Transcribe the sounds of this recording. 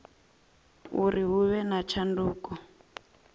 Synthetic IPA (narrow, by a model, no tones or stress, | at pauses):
uɾiɦuβɛnat͡ʃʰanduːkɔ